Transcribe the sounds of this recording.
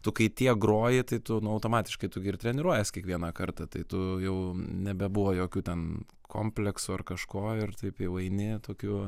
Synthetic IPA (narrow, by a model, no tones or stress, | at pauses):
t̪ʊkɐɪt̪ʲiɛɡɾoːjɪt̪ɐɪt̪ʊnʊɐʊt̪oːmɑːt̪ʲɪ̥ʃkɐɪt̪ʊɡʲɪɪɾt̪ʲɾʲɛnʲɪɾuɔjɛskʲiɛkʋʲiɛnɐkɐrt̪ɐt̪ɐɪt̪ʊjɛʊnʲɛbʲɛbʊʋoːjoːkʲuːt̪ʲɛn | kʰoːmʲpʲlʲɛksʊɐrkɐʃkoːɪrt̪ɐɪpjɛʊɐɪnʲɪt̪oːkʲuː